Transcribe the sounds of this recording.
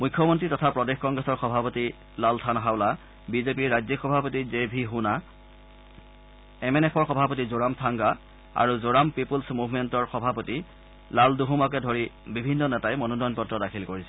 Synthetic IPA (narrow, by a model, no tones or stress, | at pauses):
mukʰːɔmɔntɹitɔtʰapɹɔdexkɔŋɡɹɛsɔɹxɔbʱapoti | laltʰanɦawla | bizepiɹːazixɔbʱapotizebʱiɦuna | ɛmɛnɛpʰɔɹxɔbʱapotizoɹamtʰaŋɡa | a̰ɹuzoɹampipulsmubʱmɛntɔɹxɔbʱapoti | lalduɦumak̬ɛdʱoɹibibʱinːɔnɛtajmɔnundɔjnpɔtɹɔdakʰilkoɹisɛ